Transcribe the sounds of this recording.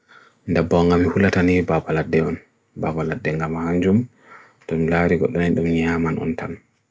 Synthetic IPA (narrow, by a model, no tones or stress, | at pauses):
ndɛbɔŋɡamihulatanibabaladːɛɔn | babaladːɛŋɡamahaɲd͡ʒum | tɔmlaɾiɡɔ̰ɗːɔnɛɗumɲamanɔ̰ntan